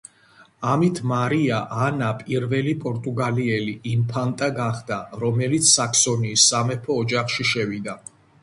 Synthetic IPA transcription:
amit̪ʰmaɾiaʔanapʼiɾvɛlipʼɔɾt̪ʼuɡaliɛliʔimpʰant̪ʼaɡaχd̪aɾɔmɛlit̪sʰsakʰsɔniːsːamɛpʰɔːd͡ʒaχʃiʃɛvid̪a

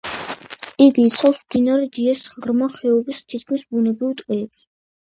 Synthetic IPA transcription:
iɡiːt̪sʰalˠsmd̪inaɾɛd̪iɛsʁɾmaχɛɔbist̪ʰit̪̚kʰmisbunɛbɾivt̪ʼqʼɛːps

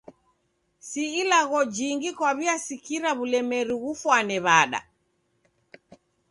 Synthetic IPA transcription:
siːlaɣɔd͡ʒiŋɡikwaβiasikiɾaβulɛmɛɾiɣufwanɛβaɗa̰

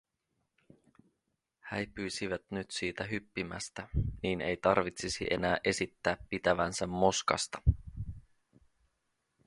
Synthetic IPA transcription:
hæjpyjsiʋæt̪nyt̪siːt̪æɦypːimæ̰st̪æniːne̞jt̪ɑrʋit̪sisḭʔe̞̰næːʔe̞sit̪ːæːpːit̪æʋænsæmːo̞skɑ̰st̪ɑ̥

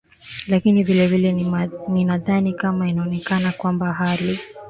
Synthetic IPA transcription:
lakinivilɛvilɛninaðanikamainaɔnɛkanakwambaɦali

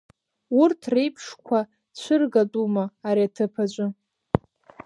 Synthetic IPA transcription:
urtʰrejpʰʂkʷʰa | t͡ɕʷʰɨrɡatʼumaːɾiatʰɨpʰat͡ʃʷʼʊ

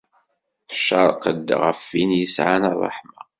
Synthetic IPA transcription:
ħʃəɾˤqəd̪ːʁə̰fːinjəsʕanɑrˤːɑ̰ħma

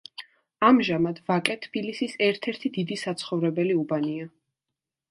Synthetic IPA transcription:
amʒamad̪vakʼɛt̪ʰːb̥ilisisɛɾt̪ʰɛɾt̪ʰid̪id̪isat̪sʰχɔvɾɛbɛliubania

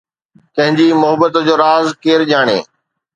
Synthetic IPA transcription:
t̪ɐ̃ɦɪ̃ɲd͡ʑimʊɦəbət̪d͡ʑoːɾaːzkeːɾʄaːɽ̃ḛː

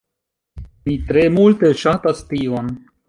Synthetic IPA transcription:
mitɾemulteʃatast̪ion

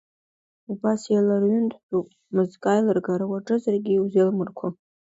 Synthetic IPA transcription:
ubasjalarɥʏntʰʼbupʼ | mɨzkʼajlɨrɡaɾawaʈ͡ʂʼɨzarɡʲiwzelmɨrkʷʰa

